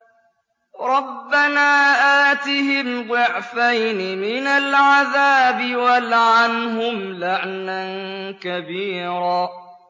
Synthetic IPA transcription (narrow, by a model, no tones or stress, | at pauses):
ɾˤɑbːanaːʔaːt̪ɪhɪmd̪ˤʊʕfajnɪmɪnalʕaðaːbɪwalʕanɦʊmlaʕnankabiːɾaː